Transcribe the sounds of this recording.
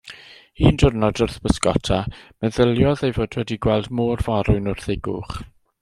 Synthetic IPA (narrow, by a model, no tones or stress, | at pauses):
hiːndʊrnɔdʊrθb̥əskɔtʰamɛðəlˠjɔðejvoːdwɛdiɡwɛlˠdmoːrvaɾʊɨnʊr̥θɪɡʊ̰χ